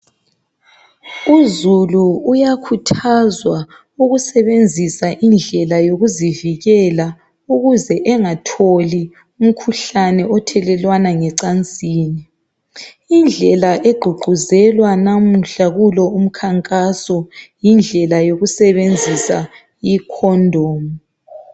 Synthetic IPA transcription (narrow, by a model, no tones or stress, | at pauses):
uzuluːjakʰutʰazwa | uɣusɛβend͡zʱisaʔind͡ɮʱɛlajoɣuziviɣɛla | uɣuzɛʔɛŋatʰoli | um̩kʰuɬanɛʔɔtʰɛlɛlwanaŋɛǀant͡sʼiːni | ind͡ɮʱɛlaʔeɡ͡ǃʱuɡ͡ǃʱuzɛlwanam̩ɬaɣulɔum̩kʰaŋkʼasɔjind͡ɮʱɛlajoɣusɛβend͡zʱisa | ikʰɔndʱɔːmɔ